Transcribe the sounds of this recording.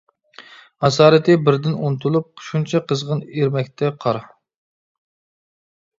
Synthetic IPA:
ɑs̬ɑːɾɨt̪ɪbɪɾd̪ɪnunt̪ʰulˠup̚qʰʊ̥ʃunt͡ʃʰɑqʰəzʁəneɾmɛk̚ʲt̪ʰɛqʰɑɾɑ

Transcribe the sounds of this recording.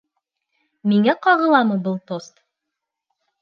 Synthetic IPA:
miŋæqɑʁɤ̆lˠɑmɤbɤlˠt̪ost̪

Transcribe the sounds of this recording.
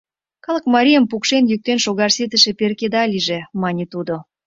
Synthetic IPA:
kɑləkmɑɾʲijəmpukʃenjyk̚t̪enʃoɣɑrset̪ə̆ʃĕperked̪ɑlʲiʒemɑnʲet̪ud̪o

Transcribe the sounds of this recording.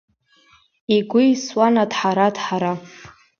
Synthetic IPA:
iɡʷʊiswanadħaɾadħaɾa

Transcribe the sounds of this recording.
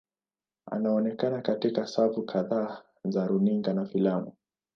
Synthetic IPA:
a̰naɔnɛkanakatikasavukʰaðaː | zaɾuniŋɡanafilamu

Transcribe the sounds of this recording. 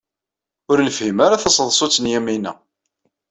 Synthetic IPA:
ʊɾnəfhimaɾaθɑsˤəðˤsˤot͡sːənjæminæ̰

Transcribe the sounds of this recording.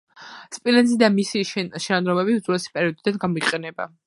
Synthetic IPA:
spʼilɛnzid̪amisiʃɛnanɾɔmɛbiud̪zuɾɛsi̥pʼɛɾiɔd̪id̪anɡamɔiqʼɛnɛba̰

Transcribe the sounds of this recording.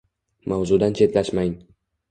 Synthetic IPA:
mawzʊd̪ant͡ʃʰe̞t̪laʃmaŋ

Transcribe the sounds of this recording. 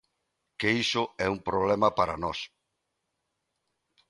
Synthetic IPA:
keisʊɛumpɾoβ̞lɛmɐpaɾɐ̰nɔs

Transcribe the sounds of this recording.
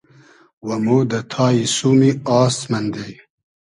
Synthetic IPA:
wɐmod̪ɐt̪ʰaːisumiaːst̪mɐnd̪ej

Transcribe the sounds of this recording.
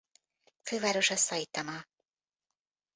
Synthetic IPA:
føːvaːɾo̞ʃɒsːɒjit̪ːɒmɒ

